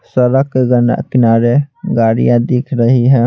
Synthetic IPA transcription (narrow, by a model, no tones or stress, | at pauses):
səɾəkeɡəna̰kɪnaːɾeɡaːɽḭjãd̪ɪkʰɾɐɦiɦɛ̃ː